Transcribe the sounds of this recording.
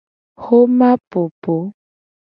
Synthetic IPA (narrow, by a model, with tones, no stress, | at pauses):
xo˦ma˦po˨po˨˦